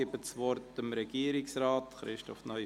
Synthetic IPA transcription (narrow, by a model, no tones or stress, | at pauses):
ɪbəsʋɔɾtəmɾɛɡ̥iːɾɪksɾaːtχɾɪʃtɔfnœʏ